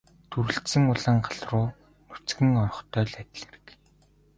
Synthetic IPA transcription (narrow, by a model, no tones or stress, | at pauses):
t̪ʰuɾɘ̆ɬt̪sɘ̆ŋʊɮə̆ŋɢaɮrʊː | nut͡sɡɘ̆ŋɔrɞ̆χt̪ʰœːɮæt̪ʲɪ̆ɮĕrɘ̆k